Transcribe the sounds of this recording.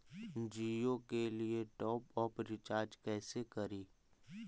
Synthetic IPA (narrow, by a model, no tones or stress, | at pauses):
d͡ʒiːokelieʈɔːpɔːpɾɪt͡ʃaːɾd͡ʒkɛːsekɐɾiː